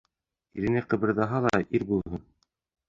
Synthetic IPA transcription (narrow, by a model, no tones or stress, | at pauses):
iɾɘ̆næqɤ̆βɘ̆ɾðɑɦɑlˠɑʔiɾbulˠɦɤn